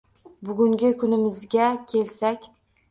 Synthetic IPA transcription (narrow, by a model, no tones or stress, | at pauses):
bʊɡʲʊŋɡʲɪkʰʊnɪmɪzɡʲakʲʰe̞lsakʲ